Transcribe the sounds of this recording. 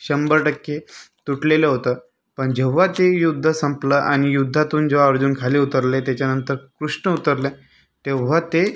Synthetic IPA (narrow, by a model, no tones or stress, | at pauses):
ɕəmbəɾʈəkːet̪uʈleleɦot̪əː | pəɳd͡ʑeʋ̤at̪ejud̪ʱːəsəmpləːʔañijud̪ʱːat̪uːnd͡zoaɾd͡ʑuːnkʰaleut̪əɾlet̪jat͡ɕjanənt̪əɾkɾuʂɳəut̪əɾle | t̪eʋ̤at̪e